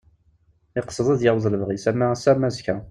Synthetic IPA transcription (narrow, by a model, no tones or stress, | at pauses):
ɪqə̥sˤəðˤæðjawðˤləvʁisæmːæsæmːæzkæ